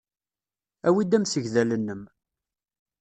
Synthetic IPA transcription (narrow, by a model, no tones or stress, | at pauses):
æwid̪æmsəʝðælənːəm